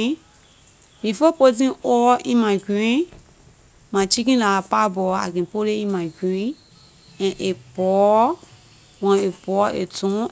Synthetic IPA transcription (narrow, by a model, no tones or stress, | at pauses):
ĩfopot̬ĩɔĩmãkĩĩ | mãt͡ʃikĩlaːpabɔa̰ɡĩpoleĩmãkũĩ | ɛ̃ʔepɔ | wɔ̃epɔḛtũ